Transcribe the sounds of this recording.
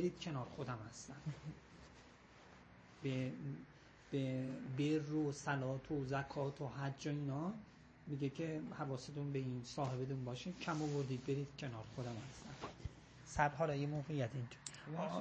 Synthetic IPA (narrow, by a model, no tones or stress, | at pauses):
beɾiːd̪̥̚cʰe̞nɒːɾxod̪æmhæst̪æn | be | b̥eberːosælɒːt̪ʰozækʰɒːt̪ʰoɦæɾd͡ʒɒiːnɒː | miɡecʰe̞hævɒːset̪ʰunbeiːnsɒːɦe̞bet̪ʰunbɒːʃi̥cʰæmovoɾd̪iːd̪̚be̞ɾiːd̪̥cʰe̞nɒːɾxod̪æmhæst̪æn | sæbɦɒːlɒːjemoːɣejæt̪ʰind͡ʒo